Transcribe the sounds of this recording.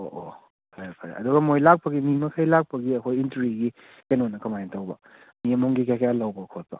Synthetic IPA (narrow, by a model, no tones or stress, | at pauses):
oʔo | kʰajapʰaɾa̰ɐ̰duɡɐmojlak̚pɐɡimimɐkʰajlak̚pɐɡiɐkʰojintɾiɡi | kenonːɐkʰɐmajntawbɐ | miɐmoŋɡikajkʰajalawbɐkʰot̚pɐ̰